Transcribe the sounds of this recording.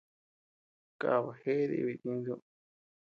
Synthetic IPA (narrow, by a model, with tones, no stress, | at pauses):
ka̰˨βa˨he˦ðḭ˧βi˧˨tĩ˧˦nd̪u˦